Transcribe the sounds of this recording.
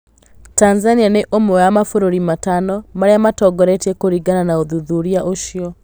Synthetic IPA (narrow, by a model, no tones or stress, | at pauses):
tanzanianeʔomoamafoɾoɾimatanɔmaɾeamatɔɡɔɾɛtɛkoɾiɡananaoðuðuɾiaʔoʃiɔ